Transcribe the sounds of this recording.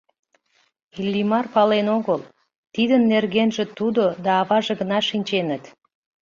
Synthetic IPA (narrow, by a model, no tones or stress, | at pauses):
ilʲːimɑrpɑlenoɣəl | t̪id̪ənːerɣenʒĕt̪ud̪od̪ɑːβɑʒĕɣənɑʃinʲt͡ɕenət̪